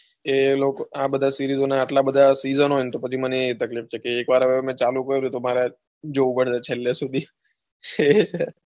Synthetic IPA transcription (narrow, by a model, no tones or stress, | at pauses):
elokabəd̪ʱasiɾizonaːʈlabəd̪ʱasizənɦojnet̪opət͡ʃʰiməneːt̪əklift͡ʃʰekeːkʋaɾɦəʋemɛ̃t͡ʃalukəɾɾjũt̪omaɾe | d͡ʒoupəɽd͡ʒat͡ʃʰeljasud̪ʱi | t͡ʃʰe